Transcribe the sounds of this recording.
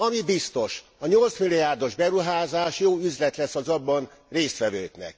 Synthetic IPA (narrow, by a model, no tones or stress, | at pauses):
ɒmibist̪o̞ʃɒɲo̞lt̪smilːijaːrd̪o̞ʒbɛɾuɦaːzaːʃjoːyzlɛt̪lɛsɒzɒbːɒnreːst̪ʋɛvøːknɛ̰k̚